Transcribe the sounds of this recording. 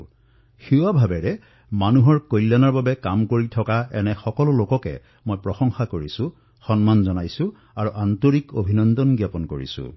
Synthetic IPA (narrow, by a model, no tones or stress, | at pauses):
xiwabʱabɛɹɛ | manuɦɔɹkojlːanaɹbabɛkamkoɹitʰɔkaɛ̰nɛxɔkɔlʊlokɔkɛ̰ | mojpɹɔxɔŋxakoɹisʊ̃ | xɔnmanzɔnajsʊ̃ | aɹuʔantoɹikobʱinɔndɔnɡjapɔnkoɹḭsṵ̃